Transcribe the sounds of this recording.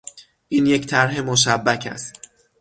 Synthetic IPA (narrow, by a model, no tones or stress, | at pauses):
ʔiːnje̞ct̪ʰæɾɦe̞moʃ̬æbːæcʰæ̰st̪